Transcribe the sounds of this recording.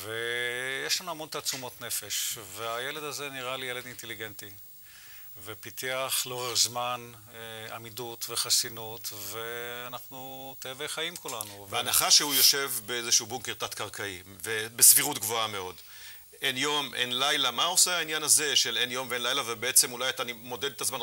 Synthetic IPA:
vejeʃlanuamo̞nt̪at͡sumo̞t̪ne̞fe̞ʃveajele̞d̪azeniʁalijele̞dint̪eliɡe̞nti | vepit̪iaχleoʁeχzmanamidut̪veχasinot̪veanaχnut̪evejχajimkulanuveanaχaʃeujo̞ʃe̞vbeezeʃuːbuŋkeʁt̪at̪kaʁkʰaivebesviʁutɡvo̞ame̞o̞d | enjo̞mʔe̞̰nlajlamao̞seɦainjanaze̞ʃele̞njo̞mveenlajlavebeet͡se̞mulajat̪animo̞ded̪et̪azman

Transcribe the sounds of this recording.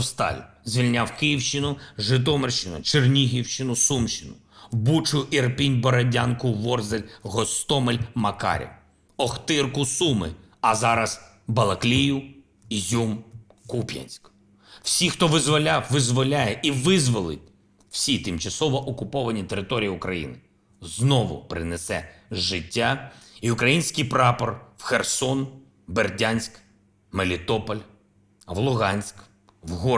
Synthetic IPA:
st̪ɑ̰lʲ | zʲʋʲilʲnʲawkɪjiwʃt͡ʃɪnʊʒɪt̪̬ɔmerʃt͡ʃɪnʊ̰t͡ʃernʲiɦʲiwʃt͡ʃɪnʊsumʃt͡ʃɪnʊ | wbut͡ʃʊjʊʔirpinʲbɔɾɐdʲankʊʋɔrzelʲɦɔst̪ɔmelʲmɐkɑ̰ɾʲɪ̰w | ɔxt̪ɪrkʊsumɪ̰ | ɐzɑɾɐz | bɐlˠɐklʲijʊ | zʲum | kupʲjɐ̰nʲsʲk | w̥sʲixt̪ɔʋɪzʋɔlʲawʋɪzʋɔlʲajɛʔiʋɪzʋɔlˠɪtʲ | w̥sʲit̪ɪmt͡ʃɐsɔʋɔʔɔkʊpɔʋɐnʲit̪eɾɪt̪ɔɾʲijiʊkɾɐjḭnɪ | znɔʋʊ̰pɾɪnesɛʒɪtʲːaiʊkɾɐjinʲsʲkɪjpɾɑpɔrwxersɔn | berdʲanʲsʲk | melʲit̪ɔpɔlʲ | ʋlˠʊɦɑnʲsʲk | ʋɦɔ

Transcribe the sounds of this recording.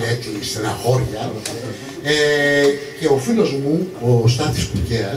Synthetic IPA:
et͡s̪ist̪enɐxo̞ɾʝɐ | e | ce̞o̞filo̞zmuost̪ɐt̪ispuceɐ

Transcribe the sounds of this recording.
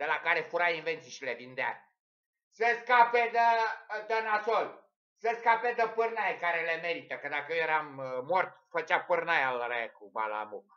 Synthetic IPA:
d̪̥elakaɾe̞fuɾainvent̪siʃilevind̪ea | səskaped̪əd̪ənasol | səskaped̪əpɨrnajekaɾelemeɾit̪əkəd̪akəjeɾamːort̪fət͡ʃapɨrnajalɾaekuba̰la̰muk

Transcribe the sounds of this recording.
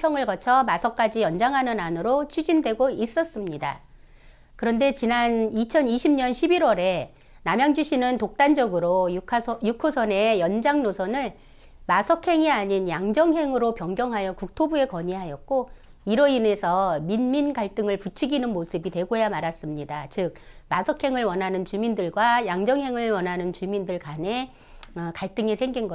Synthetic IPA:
pʰjʌŋɯɭɡʌt͡ɕʰʌmasʰʌk͈ad͡ʑijʌnd͡ʑaŋɦanɯnanɯɾot͡ɕʰud͡ʑindwe̞ɡois͈ʌs͈ɯmɲida̰ | kɯɾʌnde̞t͡ɕinanit͡ɕʰʌniɕʰimɲʌnɕʰibiɾwʌɾe̞ | namjaŋd͡ʑuɕʰinɯntok̚t͈and͡ʑʌɡɯɾojujukʰosʰʌne̞jʌnd͡ʑaŋnosʰʌnɯɭ | masʰʌkʰe̞ŋiaɲinjaŋd͡ʑʌŋɦe̞ŋɯɾopjʌŋɡjʌŋɦajʌkuk̚tʰobue̞kʌɲiɦajʌt̚k͈o | iɾʌine̞sʰʌminminɡaɭt͈ɯŋɯɭput͡ɕʰiɡinɯnmosʰɯbitwe̞ɡojamaɾas͈ɯmɲidat͡ɕɯk̚ | masʰʌkʰe̞ŋɯɭwʌnɦanɯnt͡ɕumindɯɭɡwajaŋd͡ʑʌŋɦe̞ŋɯɭwʌnɦanɯnt͡ɕumindɯɭkane̞ | kaɭt͈ɯŋisʰeŋɡinɡʌ

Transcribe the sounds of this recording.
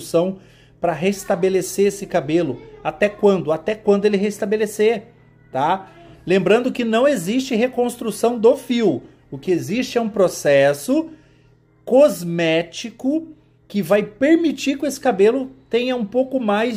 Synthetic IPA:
sɐ̃w̃ | pɾɐɦest̪abeleseɾesɪkabelʊat̪ɛkwɐ̃nd̪ʊat̪ɛkwɐ̃nd̪ʊelɪɦest̪abeleseɾ | t̪alẽmbɾɐ̃nd̪ʊkɪnɐ̃w̃ezist͡ʃɪɦekõst̪ɾusɐ̃w̃d̪ofiw | ʊkɪezist͡ʃɪɛũpɾosɛsʊ | kozmɛt͡ʃikʊ | kɪvajpeɾmit͡ʃiɾkɪesɪ̥kabelʊt̪ẽɲɐũpowkʊmaj

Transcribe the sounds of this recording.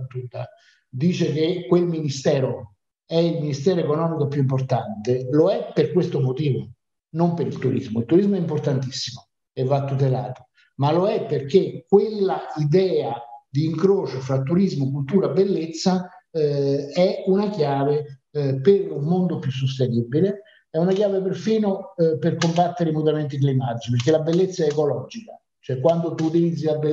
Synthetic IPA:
t̪ːud̪a̰ | d̪iːt͡ʃekekwelminist̪ɛːɾo | ɛilminist̪ɛːɾoekonɔːmikopjuimport̪ant̪eloɛpːerkwest̪omot̪iːvo̰ | nompeɾilt̪uɾḭzmoilt̪ːuɾizmoɛimport̪ant̪isːimo | evːat̪ːut̪̬elaːt̪o̥ | maloɛpːerk̟ekːwelːaid̪ɛːad̪iːŋkɾoːt͡ʃofɾat̪ːuɾizmokult̪uːɾabelːet̪sːa | ɛunakjaːveperummond̪opjus̬ːost̪enibile | ɛunakjaːveperfiːnoperkombat̪ːeɾeimut̪ament̪ik̬limat̪it͡ʃiperkelabelːet̪sːaɛːkolɔd͡ʒika̰ | t͡ʃoɛkːwand̪ot̪uːt̪ilid̪zːilabe

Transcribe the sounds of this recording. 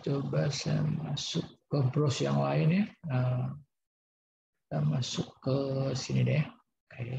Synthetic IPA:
t͡ʃobasa̰masʊkːəbɾɔsjaŋlaɪnjaə | tamasʊkːəsinidej | kaj

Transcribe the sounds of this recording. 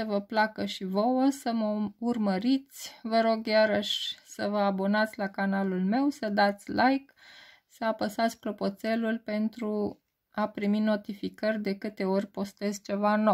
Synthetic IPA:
səvəplakəʃivo̞wəsəməurməɾit̪sʲvəɾo̞ɡjaɾəʃʲsəvəabo̞nat̪sʲlakanalulme̞wsəd̪at̪sʲlʔajk | səapəsat̪sʲpɾo̞po̞t̪se̞lulpe̞nt̪ɾu | apɾimino̞t̪ifikərʲd̪e̞kɨt̪e̞o̞rʲpo̞st̪e̞zt͡ʃe̞vanow

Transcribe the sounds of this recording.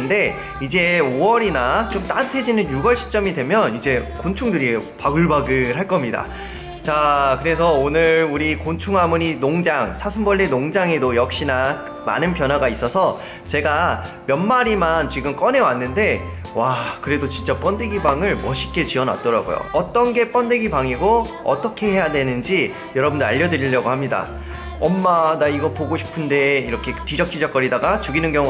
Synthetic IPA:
nde̞ | id͡ʑe̞owʌɾinat͡ɕomt͈antʰe̞d͡ʑinɯnjuɡʌɭɕʰi̥t͡ɕ͈ʌmidwe̞mjʌnid͡ʑe̞kont͡ɕʰuŋdɯɾipaɡɯɭbaɡɯhɦaɭk͈ʌmɲida̰ | t͡ɕakɯɾe̞s̬ʰʌonɯɾuɾikont͡ɕʰuŋɦamuɲinoŋd͡ʑaŋsʰasʰɯmbʌɭːinoŋd͡ʑaŋe̞dojʌk̚ɕ͈ina | ma̰nɯnpjʌnɦwaɡais͈ʌsʰʌ | t͡ɕe̞ɡa | mjʌnmaɾimant͡ɕiɡɯmk͈ʌne̞wanːɯnde̞ | wakɯɾe̞dot͡ɕint͡ɕ͈ap͈ʌndeɡibaŋɯɭmʌɕʰi̥k͈e̞t͡ɕiʌna̰t̚t͈ʌɾa̰ɡo̰jo̰ʌt͈ʌnɡe̞p͈ʌndeɡibaŋiɡo | ʌ̰t͈ʌkʰe̞ɦe̞jadwe̞nɯnd͡ʑi | jʌɾʌbɯndoaʎːʌdɯɾiʎːʌɡohamɲida̰ | ʌmːadaiɡʌpoɡoɕʰi̥pʰɯnde̞iɾʌkʰe̞t͡ɕid͡ʑʌk̚t͡ɕ͈id͡ʑʌk͈ʌɾidaɡat͡ɕuɡinɯnɡjʌŋu

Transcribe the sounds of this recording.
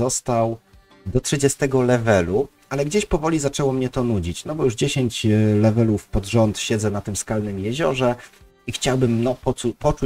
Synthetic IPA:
ɔst̪aw | d̪ɔtʂɘd͡ʑɛst̪ɛɡɔlɛvɛlu | alɛɡd͡ʑeɕpɔvɔlʲizat͡ʂɛwɔmɲɛt̪ɔnud͡ʑit͡ɕnɔbɔjuʐd͡ʑeɕeɲt͡ɕlɛvɛlufpɔd̪ʐɔnt̪ɕɛd̪zɛnat̪ɘmskalnɘmjɛʑɔʐɛ | ixt͡ɕawbɘmnɔpɔupɔt͡ʂu

